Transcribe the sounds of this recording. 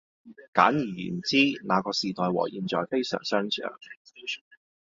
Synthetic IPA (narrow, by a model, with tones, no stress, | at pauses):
ka̰ː˨˥njiː˨˩jy̰ː˨˩n˨t͡siː˥naː˨˧kɔː˧siː˨t̪ɔː˨jwɔ̰ː˨˩jiː˨nt͡sɔː˨jfe˥jsœ̰ː˨˩ŋsœː˥ŋsʰœ̰ː˨˥ŋ